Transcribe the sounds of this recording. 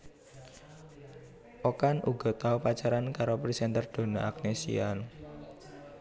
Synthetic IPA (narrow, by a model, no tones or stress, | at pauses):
ʔokanʔuɡɔ̤t̪aupat͡ʃaɾankaɾopɾisɛnt̪ərd̪̥o̤naak̚nesḭan